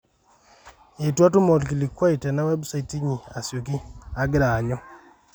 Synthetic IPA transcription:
e˨twa˦tu˦mo˨lki˨li˨kwa˦i˨tɛ˨na˦we˦busa˦i˨ti˦ɲi˨a˨sjo˨k̬i˦a˦ɡɪ˦ɾa˨ɲɔ˦

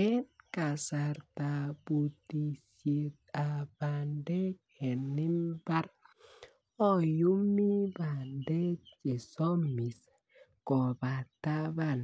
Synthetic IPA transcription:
e˦nka˨sa˨ɾt̪a˨bu˨t̪i˨sie˨t̪̚a˨ba˨nde˦kʰe˨ni˦mba˦ɾ | ɔ˦ju˦mi˦ba˨nde˦t͡ʃe˨sɔ˦mi˨s | kɔ˨ba˨t̪a˦ba˦˨n

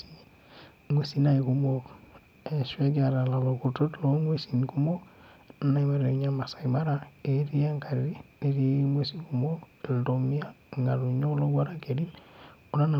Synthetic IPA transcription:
i˦ | mʷe˦˨si˦na˦˨i˨ku˨mo˦ | e˨ʃwe˦ɡa˨ɾa˨la˨lo˨ku˨to˦tlo˦ŋwe˦si˨nku˦mo˦ | na˦na˦i˦ma˦ɾe˨u˨˦ɲa˦ma˨sa˨i˨ma˦ɾa˦e˨ɾi˦a˦ŋka˨ɾi˨ɾi˦ne˦ɾi˦mwe˦si˦ku˨mo˦˨ldo˨mi˦a˦˨ŋɡa˨lu˨ɲo˦lo˦ɡa˦ɾa˦ke˨ɾi˦n | o˨na˦na˨

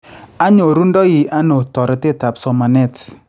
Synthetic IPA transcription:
a˦ɲo˨ɾu˦ndɔ˦jɪ˨ʔa˦no˨tɔ˨ɾe˨˦te˦ta˨psɔ˨ma˨nɛ˦˨t

